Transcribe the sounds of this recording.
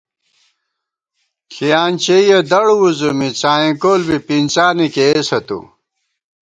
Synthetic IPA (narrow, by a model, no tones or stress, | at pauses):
kʰijaːnt͡ɕeijɐd̪ɐɽuwuzumit͡saːĩkoːlbipint͡saːnikeesɐt̪ṵ